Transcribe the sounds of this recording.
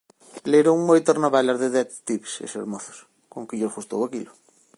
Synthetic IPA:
leɾoŋmojt̪arnaβɛlaɾðeðɛtt̪ipsḛsḛɾmɔθʊ̥s | koŋkɪʎofust̪o̰wakilʊ

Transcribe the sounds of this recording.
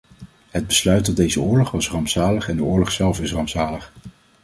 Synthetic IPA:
ɦəd̚bəslœɥtɔdejzəʊːɹlɔχʋɑsrɑmpsaːləχɛndəʊːɹlɔχsɛlˠfɪsrɑmpsaːləχ

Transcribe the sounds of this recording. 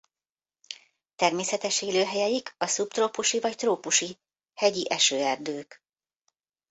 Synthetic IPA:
t̪ɛrmeːsɛt̪ɛʃeːløːɦɛjɛjikʰɒsupt̪roːpuʃivɒct̪roːpuʃi | hɛɟiʔɛʃøːɛrd̪øːk

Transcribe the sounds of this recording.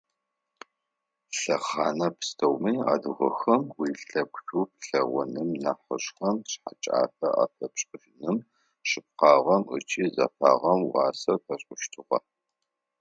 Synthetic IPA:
ɬɐχaːnɐpʰstʰɐwmiːa̰ːdɨʁɐxɐmwiːɬɐkʷʼɕup̚ɬɐʁʷʊ̰nɨmnɐħəɕxɐmɕħat͡ʃʼa̰ːfɐʔa̰ːfɐpɕʼɨʒnɨm | ɕɨp̚qɑːʁɐmɨ̰t͡ʃʰʼiːzɐ̰faːʁɐmwɑːsɐpʰɐɕʷʼʊʃtʰɨʁɐ̰

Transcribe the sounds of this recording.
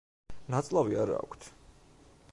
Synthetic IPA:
nat̪sʼlˠaviaɾa̰ːkʷʰt̪ʰ

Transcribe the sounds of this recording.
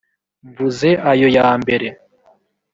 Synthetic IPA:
ɱvuze̞ʔajo̞jaːmbe̞ɾe̞

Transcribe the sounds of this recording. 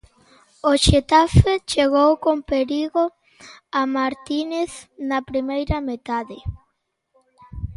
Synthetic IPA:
oʃet̪afet͡ʃeɣowkompeɾiɣo | amaɾt̪ineθnɐpɾimejɾɐmet̪aðe

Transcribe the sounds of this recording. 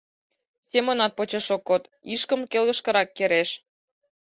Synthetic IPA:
sʲemonɑt̪̚pot͡ɕeʃokːot̪ | iʃkə̆mkelɣə̆ʃkə̆ɾɑkːeɾeʃ

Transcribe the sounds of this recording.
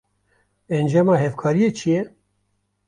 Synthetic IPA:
ɛnd͡ʒɑmɑːɦɛvkʰɑːɾijeːt͡ʃʰijɛ

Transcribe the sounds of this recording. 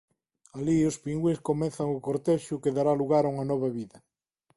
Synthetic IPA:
aliospiŋɡweskomɛ̃θaŋʊkoɾt̪ɛʃʊkeðaɾaluɣaɾuŋanɔβɐβiðɐ

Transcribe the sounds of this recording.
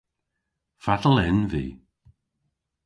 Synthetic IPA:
fadəl̩ˠɪnvḭː

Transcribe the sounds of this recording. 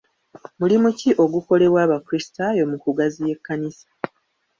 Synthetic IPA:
mulimuciʔo̞ɡuko̞le̞βwaːβakuɾistajo̞mukuɡazije̞kːanisḁ

